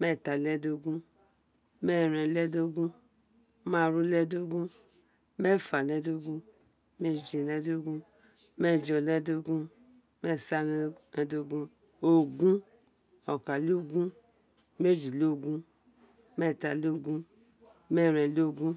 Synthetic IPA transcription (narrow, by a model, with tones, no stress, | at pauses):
mɛ˦˨ta˨lɛ˦do˦ɡũ˦ | mɛ˦˨ɾɛ˨lɛ˦do˦ɡũ˦ | ma˦˨ɾu˦lɛ˦do˦ɡũ˦ | me˦˨fa˨lɛ˦do˦ɡũ˦ | me˦˨d͡ʒi˨lɛ˦do˦ɡũ˦ | me˦˨d͡ʒɔ˨lɛ˦do˦ɡũ˦ | me˦˨sa˦lɛ˧do˧ɡũ˦ | o˨ɡũ˦ | ɔ˨ka˨lo˦ɡũ˦ | me˦˨d͡ʒi˨lo˦˨ɡũ˦ | mɛ˦˨ta˨lo˦˨ɡũ˦ | mɛ˦˨ɾɛ˨lo˦˨ɡũ˦